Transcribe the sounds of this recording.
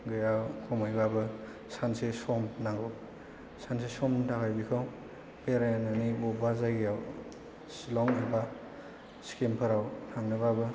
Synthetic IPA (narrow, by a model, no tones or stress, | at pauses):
ɡɯjawkʰɔmajbabɯ | sansesɔmnaŋɡɔ | sansesɔmtʰakajbikʰaw | peɾejnanibɔbazajɡijaw | slɔŋeba | skempʰɯɾawtʰaŋnɯbabɯ